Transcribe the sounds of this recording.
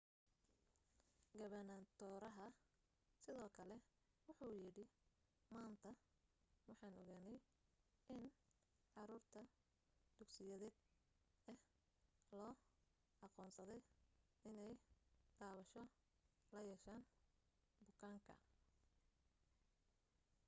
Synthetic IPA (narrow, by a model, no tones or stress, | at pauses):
ɡɐβɐnant̪ʰɔːɾɐɦɐ | sɪðɔːkʰɐlɛ | wʊħujɪɽɪ | maːnt̪ʰɐ | wɑħɑːnɔɣaːnɛj | ʔɪn | ʕɑɾuːrt̪ʰɐ | d̪̥ʊɡsɪjɐðɛːd̪̚ | ɛh | lɔː | ʔɑqɔːnsɐðɛj | ɪnɛjt̪aːβɐʃɔ | lɐjɛʃaːn | bʊkʰaːŋkʰɐ̰